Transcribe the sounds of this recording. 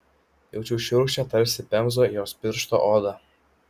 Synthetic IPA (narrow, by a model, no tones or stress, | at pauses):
jɛʊt͡ʃʲuʃʲɪɾuʃʲt͡ʃʲɛt̪ɐɾʲsʲɪpʲɛmzoːjoːsʲpʲɪɾʃt̪o̰ʔɔd̪ɐ